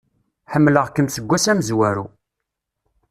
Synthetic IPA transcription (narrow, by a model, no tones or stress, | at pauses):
ħəmːləʁkəmθəɡʷːæsæməzwæɾṵ